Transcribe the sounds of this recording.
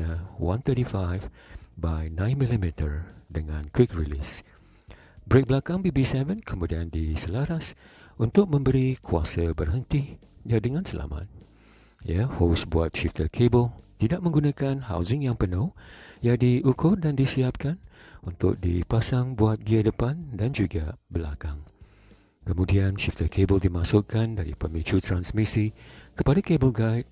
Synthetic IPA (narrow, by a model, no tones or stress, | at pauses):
əwãnt̪əɾifajvbajnãj̃nmilimit̪ərdəŋãnkwikɹilḭs | bɾek̚bəlakaŋbibisɛvə̃nkʰəmudiandisəlaɾasunt̪ʊk̚mə̃mbəɾikʰua̰səbərɦənt̪i | jadəŋãnsəlʔa̰ma̰t̪̚ | jahosbuat̪̚ʃift̪əkʰebəlt̪idaʔ̚mə̃ŋɡunakanha̰wzɪŋjaŋpənʊhjadiʔukʊrdandisiap̚kanunt̪ʊ̰k̚dipasaŋbuat̪̚ɡiadəpandand͡ʒuɡabəla̰kaŋ | kəmũdianʃift̪əkʰebəldimasʊʔkandaɾḭpəmĩt͡ʃut̪ɾansmisikəpadakebəlɡajt̪̚